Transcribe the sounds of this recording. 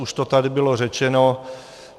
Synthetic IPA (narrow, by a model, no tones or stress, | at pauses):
uʃt̪ot̪adɪbɪlor̝ɛt͡ʃɛno